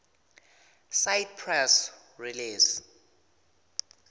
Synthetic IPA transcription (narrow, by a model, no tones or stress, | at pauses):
sajt̚pʰrɛs | riliːs